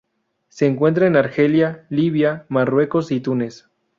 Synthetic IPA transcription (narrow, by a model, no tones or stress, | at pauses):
se̞ːŋkwe̞nt̪ɾaenaɾxe̞ljaliβjamarwe̞ko̞sit̪une̞s